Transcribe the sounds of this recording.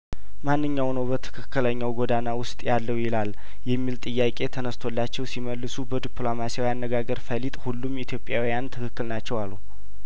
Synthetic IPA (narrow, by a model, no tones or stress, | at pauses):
manːɨɲːawnəwbət̪ʰɨ̥kʰɨkːɨləɲːawɡod̪anawʊst̪ʼjalːəwjɪlal | jɛmːilt̪ʼɨjːakʼe̞t̪ʰənəst̪ʰo̞lːat͡ʃːɛwsiməlːɨsubəd̪iplomasijawianːəɡaɡəɾfəlit̪ʼhulːumit̪ʰjo̞pʼjawijant̪ʰɨkɨkːɨlnat͡ʃːɛwalːu